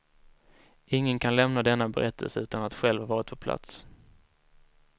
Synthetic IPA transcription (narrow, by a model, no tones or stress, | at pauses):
ɪŋːənkʰanlɛmnad̪ɛnːabɛ̰ɾʔɛt̪ʰːə̰lsəʉ̟ːt̪anat̪ɧɛlvhaɾvɑːɾɪt̪̚pʰɔpʰla̰t̪s